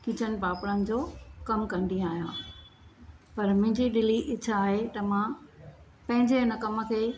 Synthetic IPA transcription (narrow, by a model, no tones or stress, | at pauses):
kɪ̃t͡ɕʰənɪ̆paːpɽənɪ̆d͡ʑoːkɐmkɐ̃nd̪ĩaːɦijã̰ː | pɐɾmʊ̃ɦɪ̃ɲd͡ʑiɗɪliʔɪt͡ɕʰaːɦet̪ɐmãː | pɐ̃ɦɪ̃ɲd͡ʑeɦɪnəkɐmə̆kʰeː